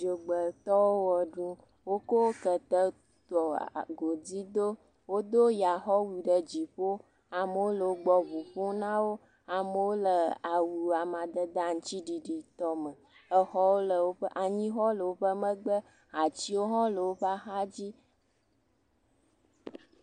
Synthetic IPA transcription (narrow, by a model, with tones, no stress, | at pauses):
d͡ʒo˨ɡ͡bə˨t̪ɔ˦wo˦wə˨ɖũ˦ | wo˦ko˦wkə˨t̪ə˦ | t̪ɔ˨ɡo˨d͡zi˦d̪o˦ | wo˦d̪o˦ja˨xɔ˦wi˨ɖə˨d͡ʑi˨ɸo˦ | a˨mə˨wo˦lə˨wo˦ɡ͡bɔ˦vu˨ɸo˦nã˦wo˦ | a˨mə˨wo˦lə˨a˨wi˨a˨mã˨d̪ə˦d̪a˦ŋ̩˦t͡ɕi˦ɖi˨ɖi˨t̪ɔ˦mə˨ | ə˦xɔ˦wo˦lə˨wo˦ɸʔa˨ɲĩ˦xɔ˦lə˨wo˦ɸə˦mə̃˦ɡ͡bə˦ | a˨t͡ɕi˦wo˦ɦɔ̃˦lə˨wo˦ɸa˦xa˦d͡ʑi˦